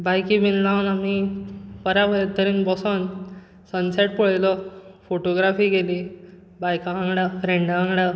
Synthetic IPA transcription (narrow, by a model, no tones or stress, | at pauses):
bajkibinlãwnamipəɾaɦojat̪əɾĩnbɔsɔn | sənsɛʈ̚pəɭjlɔfoʈoɡɾafiːɡeli | bajkaãŋɡɽafɾeɳɖãŋɡɽa